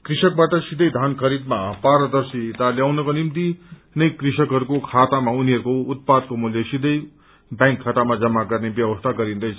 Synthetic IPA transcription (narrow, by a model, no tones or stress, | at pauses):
kɾisʌk̚baʈʌsid̪əjd̪ʱankʰʌɾid̪mapaɾəd̪ʌɾsit̪aljawnʌkonimt̪inʌjkɾisʌkɦʌɾukokʰat̪amauniɦʌɾukout̪̚pad̪̚komuljʌsid̪əj | bãŋkʰːat̪amad͡zʌmːaɡʌrnebjʌʋʌst̪ʰaɡʌɾind̪ʌjt͡sʰ